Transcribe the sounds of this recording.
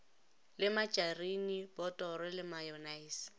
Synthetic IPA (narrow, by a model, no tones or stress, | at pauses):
lɪmat͡ʃʼarinibɔtʼɔrɛlɪmajɔnaiːs